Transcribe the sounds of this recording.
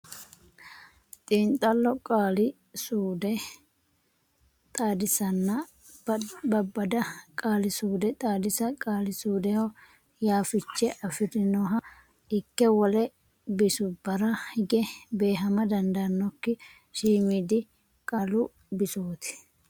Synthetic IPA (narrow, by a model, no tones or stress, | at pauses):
t̪ʼiːnt̪ʼːɐlːɔkʼaːlɪ | suːd̪ɛ | t̪ʼaːd̪ɪsɐnːɐ | bɐbːɐd̪ɐkʼaːlɪsuːd̪ɛt̪ʼaːd̪ɪsɐkʼaːlɪsuːd̪ɛhɔ | jaːfɪt͡ʃːɛʔɐfɪd̪ɪnɔɦɐ | ɪkːɛwɔlɛ | bɪsʊbɐɾɐhɪɡɛbeːɦɐmɐd̪ɐnd̪ɐnːɔkːɪ | ʃiːmid̪ɪ | kʼaːlʊ | bɪsoːt̪ɪ̥